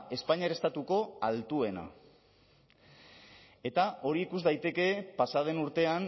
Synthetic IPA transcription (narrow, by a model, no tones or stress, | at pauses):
e̞spaɲaɾe̞st̪at̪uko̞alt̪ue̞na̰ | e̞t̪aʔo̞ɾiːkuzd̪ajt̪e̞ke̞pasað̞e̞nuɾt̪e̞an